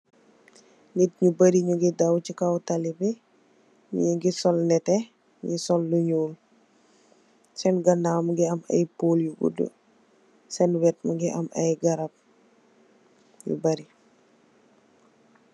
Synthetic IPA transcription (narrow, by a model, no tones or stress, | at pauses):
nit̚ɲubɐɾiɲuɡidɐwcikawtɐlibɛ | ɲiɡisɔlnɛtɛ | ŋɡisɔlːuɲuːl | sɛnɡɐnamɡiɐmɐ̰jpoːljuɡṵdṵ | sɛnwɛt̚mɐɡiʔɐ̰mɐ̰jɡɐɾɐp̚ | jṵbɐɾi